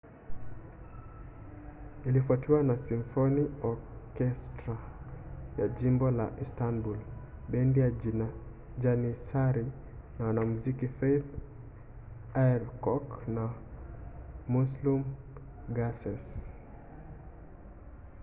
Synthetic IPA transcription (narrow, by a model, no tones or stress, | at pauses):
ilifatiwanasiɱfoniɔkɛstɾa | jad͡ʒimbɔla̰ʔistanbulbɛndijad͡ʒina | d͡ʒanisaɾi | nawanamuzikifejθ | aɛɾkɔkna | muslum | ɡasɛs